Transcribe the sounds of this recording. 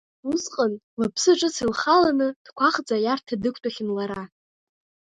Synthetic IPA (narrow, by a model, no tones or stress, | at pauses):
usqʼənlapʰsɨʈ͡ʂʼɨsilχalanɨd̥kʷʰaχd͡zajartʰadɨkʷʰtʼaχʲɪnlaɾa